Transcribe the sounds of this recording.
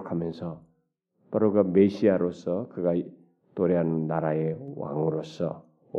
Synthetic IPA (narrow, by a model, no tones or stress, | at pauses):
kʰamʌnsʌ | paɾɔɡabesiaɾɔsɯkʰɯɡaj | tɔɾijanːaɾajewa̰ŋɔɾɔsɯ̰